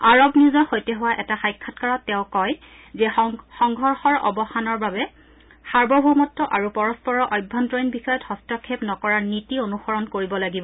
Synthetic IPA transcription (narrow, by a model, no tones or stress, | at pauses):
aɹɔbniʊzɔxojtɛɦʊwaʔɛtaxajkʰːɔtkaɹɔtːɛʊ̃kɔj | zɛxɔŋɡʱɔɹxɔɹɔ̰bɔxanɔɹbabɛ | saɹbɔbʱumɔtːɔʔaɹupɔɹɔspɔɹɔʔɔjbʱːɔntɹɔjnbixɔjɔthɔstɔkʰːepnɔkɔɹaɹnitionuxɔɹɔnkoɹibɔlaɡibɔ